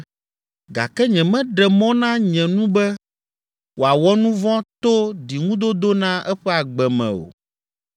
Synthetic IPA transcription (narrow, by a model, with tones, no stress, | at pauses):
ɡa̰˨kɛ˦ɲɛ̃˨mɛ̃˦ɖɛ˨mɔ̃˦nã˦ɲɛ̃˨nũ˦bɛ˦ | wo˨a˨wɔ˦nũ˦vɔ̃˦t̪o˦di˨ŋũ˦d̪o˦d̪o˦nã˦ʔɛ˦ɸɛ˦a˨ɡ͡bɛ˨mɛ̰̃˨o̰˨